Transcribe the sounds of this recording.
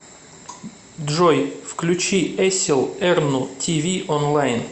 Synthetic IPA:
d̪ʐojfklʲʉt͡ɕiɛsʲɪlˠɛrnʊt̪ʲʰivʲiʔonlˠajn

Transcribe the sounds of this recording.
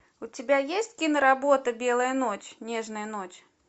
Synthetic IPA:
ʊt͡sʲɪbʲajesʲtʲkʲinəɾabot̪əbʲelˠəjənot͡ɕʲnʲeʐnəjənot͡ɕʲ

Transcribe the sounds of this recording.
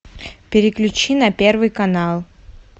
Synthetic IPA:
pʲɪɾʲɪklʲʉt͡ɕinɐpʲervɨjkɐnalˠ

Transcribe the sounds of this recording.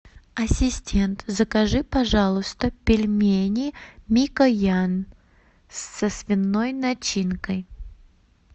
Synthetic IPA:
ɐsʲɪsʲtʲe̞nt̪zəkɐʐɨpɐʐalˠʊst̪əpʲɪlʲmʲenʲɪmʲikəjan | sːəsvʲɪnːojnɐt͡ɕinkəj

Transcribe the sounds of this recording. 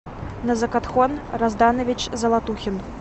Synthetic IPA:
nɐzɐkat̪xɔnrazd̪anɐvʲit͡ʃzɐlˠat̪uxʲin

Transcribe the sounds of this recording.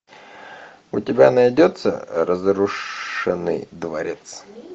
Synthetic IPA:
ʊtʲɪbʲa̰nɐjdʲot̪sə̰ɾəzɾʊʂɨnɨ̰jd̪vɐɾʲe̞t̪s

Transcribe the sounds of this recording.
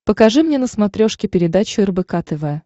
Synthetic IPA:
pəkɐʐɨmnʲenəsmɐt̪ɾʲoʂkʲɪpʲɪɾʲɪd̪at͡ɕʊərbɨkat̪ɨvəjə

